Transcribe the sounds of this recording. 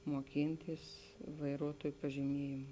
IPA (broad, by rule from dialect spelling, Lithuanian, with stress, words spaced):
moːˈkʲɪnʲtʲiːs ʋɐɪˈruɔtuɔj pɐʒʲɪˈmʲiɛjeːm